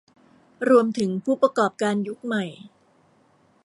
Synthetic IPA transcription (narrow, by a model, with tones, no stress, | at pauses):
ɾu˧əmt̪ʰɯ˩˦ŋpʰuː˥˩pɾa˧kɔː˨˩p̚kaː˧nju˦˥k̚ma˨˩j